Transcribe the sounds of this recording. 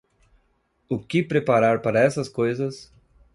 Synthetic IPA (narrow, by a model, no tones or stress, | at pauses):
ʊkɪpɾepaɾaɾpaɾɐɛsɐskojzɐs